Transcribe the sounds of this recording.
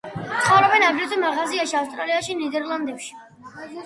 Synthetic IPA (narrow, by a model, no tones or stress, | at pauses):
t̪sʰχavɾɔbɛnabɾɛt̪ʼumaʁaziaʃiafst̪ʼɾaliaʃinid̪ɛɾlˠand̪ɛpʃi̥